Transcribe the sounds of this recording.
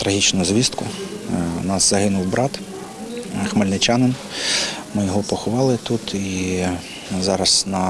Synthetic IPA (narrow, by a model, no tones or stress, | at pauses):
t̪ɾɐɦʲit͡ʃnʊzʋʲist̪kʊ | nɑszɐɦɪnʊwbɾɑt̪ | xmɐlʲnɪt͡ʃɑnɪn | mɪjɔɦɔpɔxʊʋɑlˠɪt̪ut̪i | zɑɾɐsnɐ